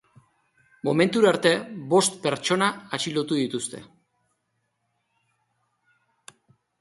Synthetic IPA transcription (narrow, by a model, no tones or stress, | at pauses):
mo̞me̞nt̪uɾaɾt̪e̞bo̞st̪pe̞ɾt͡ʃo̞naːt͡ʃilo̞t̪uðit̪ust̪e̞̰